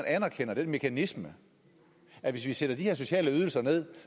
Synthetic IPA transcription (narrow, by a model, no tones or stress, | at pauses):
nʔænæɐkʰen̰ɐd̥enme̝kʰænismə | æʋe̝sʋised̥ɐd̥iheɐs̬o̝ɕɛ̰ːləyð̞ˠl̩sɐne̝ð̞̰ˠ